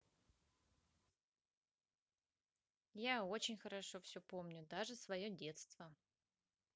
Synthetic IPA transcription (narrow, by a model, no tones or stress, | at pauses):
jao̞t͡ɕɪnʲxəɾɐʂo̞fsʲɵpo̞mnʲʊd̪aʐɨsvɐjodʲe̞t̪st̪və